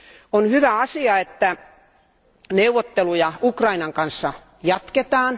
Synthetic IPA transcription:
onhyʋæɑsiɑet̪ːæ | neuʋot̪ːelujɑukrɑinɑŋkɑnsːɑ | jɑt̪ket̪ɑːn

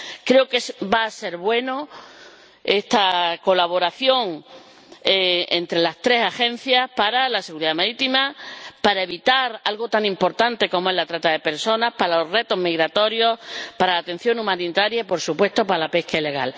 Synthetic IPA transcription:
kɾe̞okesbaːse̞ɾβwe̞no | e̞st̪ako̞laβ̞o̞ɾaθjo̞ŋ | eḛnt̪ɾe̞last̪ɾe̞saxẽ̞n̟θjahpaɾalase̞ɣuɾiðamaɾit̪imapaɾaeβit̪aɾalɣo̞t̪aŋĩmpo̞ɾt̪ant̪e̞ko̞moelat̪ɾat̪aðe̞pe̞ɾso̞nahpaɾalore̞t̪o̞ɦmiɣɾat̪o̞ɾjo̞hpaɾalat̪e̞n̟θjo̞ŋũmãnit̪aɾjaipo̞ɾsupwe̞st̪o̞paɾalape̞hkaileɣ̞a̰l

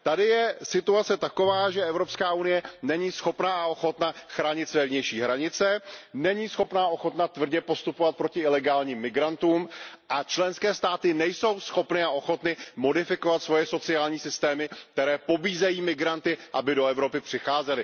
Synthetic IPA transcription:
t̪adɪjɛsɪt̪uat͡sɛt̪ako̞vaːʒɛʔɛvɾo̞pskaːunɪjɛnɛɲiːsxo̞pnaaʔo̞xo̞t̪naxɾaːɲɪt̪svɛvɲɛjʃiːɦɾaɲɪt͡sɛnɛɲiːsxo̞pnaʔo̞xo̞t̪nat̪vr̩ɟɛpo̞st̪upovat̪̚pɾo̞cɪɪlɛɡaːlɲiːmːɪɡɾant̪uːmʔat͡ʃlɛnskɛːst̪aːt̪ɪnɛjso̞wsxo̞pnɪaʔo̞xo̞t̪nɪmo̞dɪfɪko̞vat̪svo̞jɛso̞t͡sɪaːlɲiːsɪst̪ɛːmɪk̚t̪ɛɾɛːpo̞biːzɛjiːmɪɡɾant̪ɪʔabɪdo̞ɛvɾo̞pɪpr̝̥ɪxaːzɛlɪ

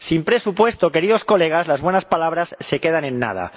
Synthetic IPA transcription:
simpɾe̞supwe̞st̪o̞ke̞ɾið̞o̞sko̞le̞ɣ̞azlazβwe̞naspalaβ̞ɾasse̞ke̞ðanẽnːa̰ð̞a̰

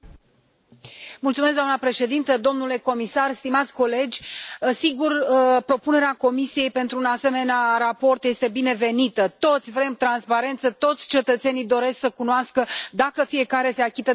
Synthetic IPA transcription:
mult̪sumes̬d̪amnəpɾe̞ʃe̞d̪int̪əd̪o̞mnule̞ko̞misarst̪imat̪sʲko̞le̞d͡ʒʲəsiɡurpɾo̞pune̞ɾeako̞misije̞jpe̞nt̪ɾuːnase̞me̞nearapo̞rt̪je̞st̪e̞bine̞ve̞nit̪ət̪o̞t̪sʲvɾe̞mt̪ɾanspaɾe̞nt̪sət̪o̞t̪sʲt͡ʃe̞t̪ət̪se̞nijd̪o̞ɾe̞sksəkunoaskəd̪akəfije̞kaɾe̞se̞akʲit̪ə

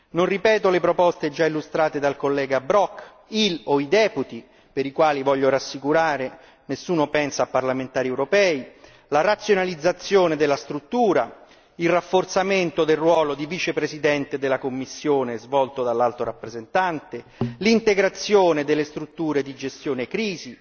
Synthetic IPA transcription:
nonripɛːt̪olepɾopɔst̪ed͡ʒailːust̪ɾaːt̪ed̪alkolːɛːɡabɾɔkː | iloid̪ɛːput̪i | peɾikwaːlivɔʎːoɾasːikuɾaːɾe | nesːuːnopɛnsaːpːarlament̪aːɾiewɾopɛːi | laɾat̪sːjonalid̪zːat̪sːjoːned̪elːast̪ɾut̪ːuːɾa | ilrafːort̪sament̪od̪elrːwɔːlod̪ivit͡ʃepɾesid̪ɛnt̪ed̪elːakomːisːjoːnezvɔlt̪od̪alːalt̪oɾapːɾezent̪ant̪e | lint̪eɡɾat̪sːjoːned̪elːest̪ɾut̪ːuːɾed̪id͡ʒest̪joːnekɾiːzi

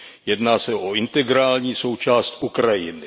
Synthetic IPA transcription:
jɛdnaːsɛʔoɪnt̪ɛɡɾaːlɲiːso̞wt͡ʃaːst̪ʔukɾajɪnɪ

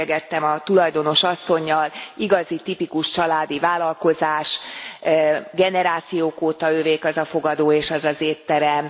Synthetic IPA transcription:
ɛɡɛt̪ːɛmɒt̪ulɒjd̪o̞no̞ʃɒsːo̞ɲːɒliɡɒzit̪ipikuʃt͡ʃɒlaːd̪ivaːlɒlko̞zaːʃ | ɡɛnɛɾaːt̪sijoːkoːt̪ɒøːveːkɒzɒfo̞ɡɒd̪oːeːʃɛzɒzeːt̪ːɛɾɛm

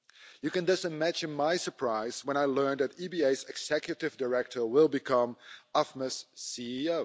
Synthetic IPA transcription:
jɨkɨ̃ndʌsɨmæd͡ʒɨ̃nmaɪsə˞pʰɹ̥aɪz̥wə̃ñaɪlɜ̃˞nðɨtibieɪzɨɡz̥ɛkjɨɾɨvdə˞ɛk̚tʰə˞wɪlˠbɨkʰʌ̃mɑfməsːiioʊ

